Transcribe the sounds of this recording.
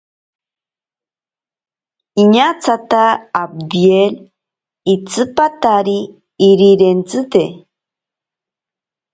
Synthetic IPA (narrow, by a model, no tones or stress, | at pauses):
iɲat͡sat̪aːb̚d̪iel | it͡sɨpat̪aɾiː | ɾiɾent͡sɨt̪e